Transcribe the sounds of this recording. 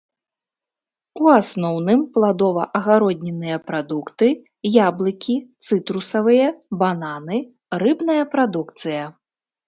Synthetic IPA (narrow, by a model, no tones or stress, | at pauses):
uasnɔwnɨmplˠad̪ɔvɐ̰ʔɐɣaɾɔd̪ʲnʲɛnɨjɐpɾad̪ukt̪ɨ | jablˠɨkʲit̪sɨt̪ɾusɐvɨjɐbananɨ | rɨbnɐjɐpɾad̪ukt̪sɨjɐ